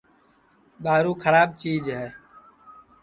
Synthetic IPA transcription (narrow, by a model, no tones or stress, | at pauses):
ɗ̪aːɾuːkʰəɾaːɓ̚t͡ʃiːd͡ʒɦɛː